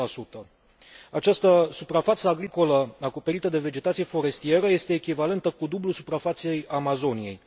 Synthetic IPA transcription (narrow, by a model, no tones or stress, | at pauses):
asut̪ə | at͡ʃast̪əsupɾafat̪səaɡɾiko̞ləako̞pe̞ɾit̪əd̪e̞ve̞d͡ʒe̞t̪at̪sijefo̞ɾe̞st̪ie̞ɾəje̞st̪e̞ːkʲivale̞nt̪əkud̪ublulsupɾafat̪se̞jamazo̞nije̞̰j